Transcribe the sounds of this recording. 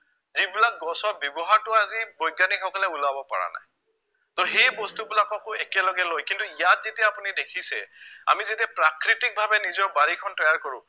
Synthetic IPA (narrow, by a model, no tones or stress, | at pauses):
zibilak̚ɡɔsɔbjɔbɔɦaɹtʊazibɔjɡanikʰɔkɔlɛulabɔpa̰ɹa̰na̰j | toxejbɔstubilakakʊekɛlɔɡɛlojkintuijat̚zetiaapunidekʰisɛa̰mizetiapɹakɹitik̚bʱabɛnizɔɹbaɹikʰɔntɔjaɹkɔɹʊ̰̃